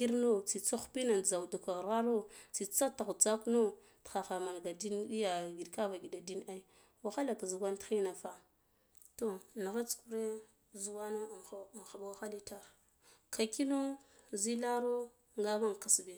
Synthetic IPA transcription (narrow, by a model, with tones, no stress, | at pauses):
ɡi˦ɾno˦t͡si˨t͡so˦xpi˦na˨n˨d͡za˨wdu˨ka˨ɣɾa˦ɾo˦t͡si˨t͡sa˦ta˨ɣd͡za˦kno˦ | txa˨xa˨ma˨nɡa˨di˦ndi˦ja˨ɡi˨dka˦va˨ɡi˨da˨di˦na˦i˦ | wa˨xa˦la˨ka˨zu˨ɡʷa˦ntxi˦na˨fa˦ | to˨na˨ɣa˦t͡sku˨ɾe˦ | zu˨wa˦no˦˨˦xa˨bwa˦xa˦li˦ta˦ɾ | kʰa˨ki˦no˦ | zi˦la˦ɾo˦ | ŋɡa˦ma˦ŋ˨ka˨sbe˨